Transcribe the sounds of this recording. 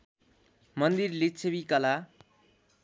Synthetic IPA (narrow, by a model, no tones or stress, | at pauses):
mʌnd̪irlitt͡sʰebikʌla